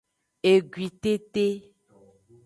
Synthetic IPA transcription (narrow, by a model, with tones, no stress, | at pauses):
e˨ɡwi˨t̪e˦t̪e˦